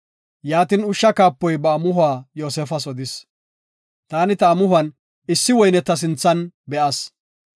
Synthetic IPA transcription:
jaːt̪ɪnʊʃːɐkaːpːɔjbɐːmʊɦʊaːjo̞ːsɛfɐsɔd̪ɪs | t̪aːnɪt̪ɐːmʊhʊɐn | ɪsːɪwɔjnɛt̪ːɐs̬ɪnt͡sːɐnbɛʔɐs

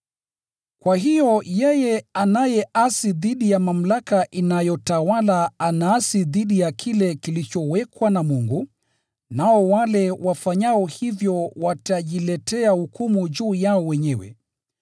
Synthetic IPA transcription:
kwaɦijɔjɛjɛanajɛasiðiɗijamam̩lakaʔinajɔtawalaanaːsiðiɗijakʰilɛkilit͡ʃɔwɛkwanamuŋɡu | naɔwalɛwʔafaɲaɔhivjɔwataʄilɛtɛahukumuʄuːjaɔwɛɲɛwɛ̰

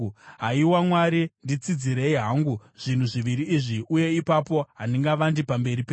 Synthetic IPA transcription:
ɦaiwamwaɾindit͡sid͡ziɾe̞iɦaŋɡuʐ̥in̤uʐiʋiɾiːʐiʔuje̞ipapo̞ɦandiŋɡaʋandipambe̞ɾipe

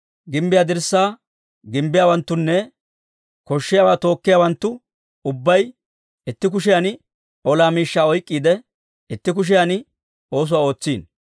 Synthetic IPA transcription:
ɡɪmbɪjaːd̪ɪɾsːaː | ɡɪmbɪjaːwɐnt̪ːʊnːɛ | kɔʃːɪjaːwaːt̪o̞ːkːɪjaːwɐnt̪ːʊ | ʊbːɐj | ɪt̪ːɪk̬ʊʃ̬ɪjanɪ | ɔlaːmiːʃːaːɔjkʼːiːd̪ɛ | ɪt̪ːɪk̬ʊʃ̬ɪjanɪ | o̞ːs̬ʊwaːo̞ːt͡sːiːn

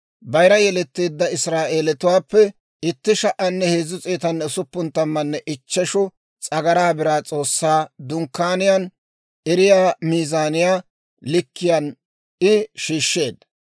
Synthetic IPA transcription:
bɐjɾɐjɛlɛt̪ːiːd̪ːɐɪsɾaːʔeːlɛt̪ʊwaːpːɛ | ɪt̪ːɪʃɐʔɐnːɛheːzːʊt͡sʼeːt̪ɐnːɛsʊpːʊnt̪ːɐmːɐnːɛʔɪt͡ʃːɛʃɔ | t͡sʼɐɡɐɾaːbɪɾaːt͡sʼo̞ːsːaːd̪ʊŋkːaːnɪjan | ɛɾɪjaːmiːzaːnɪjaː | lɪkːɪjan | ɪʃiːʃːe̞ːd̪

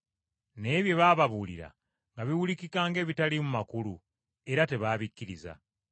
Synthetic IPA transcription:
ne̞ːβje̞βaːβaβulḭɾa̰ | ŋɡaβiwulikikaːŋɡe̞ːβitalimumakulu | e̞ɾate̞βaːβikːiɾiza̰

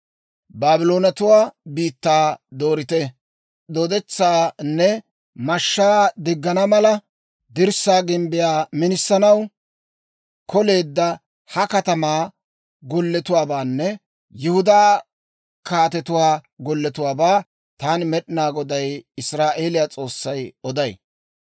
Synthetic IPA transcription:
baːbɪlo̞ːnɐt̪ʊwaːbiːt̪ːaːd̪oːɾɪt̪ɛ | ɗ̪ɔd̪ɛt͡sːaːnːɛ | mɐʃːaːd̪ɪɡːɐnɐmɐlɐ | d̪ɪɾsaːɡɪmbɪjaːmɪnɪsːɐnɐw | kʰɔle̞ːd̪ːɐ | hɐkɐt̪ɐmaː | ɡɔlːɛt̪ʊwaːbaːnːɛ | jʊhʊd̪aː | kaːt̪ɛt̪ʊwaːɡɔlːɛt̪ʊwaːbaː | t̪aːnɪmɛɗɪnaːɡɔd̪ɐjɪsɾaːʔe̞ːlɪjaːt͡sʼo̞ːsːɐjɔd̪ɐj

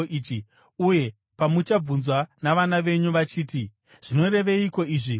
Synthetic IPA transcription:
ʔiːt͡ʃi | uje̞ | pamut͡ʃab͡vunzwanaʋanaʋe̞ɲuʋat͡ʃiːt̬i | ʐ̥ino̞ɾe̞ʋe̞iko̞iːʐi

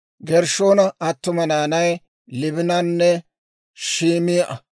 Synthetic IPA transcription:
ɡɛɾʃo̞ːnɐʔɐt̪ːʊmɐnaːnɐj | lɪbɪnɐnːɛ | ʃiːmijʔɐ

